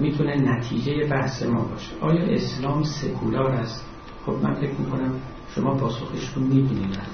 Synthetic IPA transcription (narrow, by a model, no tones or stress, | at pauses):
miːt̪ʰunenæt̪ʰiːd͡ʒeje̞bæhse̞mɒ̰ːbɒ̰ːʃeʔɒːjɒːʔe̞slɒːmse̞kʰulɒːɾæst̪ | xo̞bmænfe̞cʰmiːkʰo̞næm | ʃomɒːpʰɒːso̞xeʃt̪unmiːbinid̪æ̰